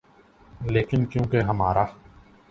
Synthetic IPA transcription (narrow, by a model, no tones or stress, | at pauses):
leːkɪnkjõːkeɦɐmaːɾaː